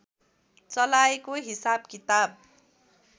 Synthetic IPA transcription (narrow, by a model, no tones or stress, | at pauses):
t͡sʌlaekoɦisab̚kit̪ab̚